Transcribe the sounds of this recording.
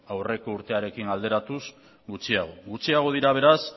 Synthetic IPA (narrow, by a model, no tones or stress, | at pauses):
awre̞ko̞uɾt̪e̞aɾe̞kiŋald̪e̞ɾat̪us | ɡut͡ʃiaɣ̞o̞ɣut͡siaɣ̞o̞ðiɾaβ̞e̞ɾas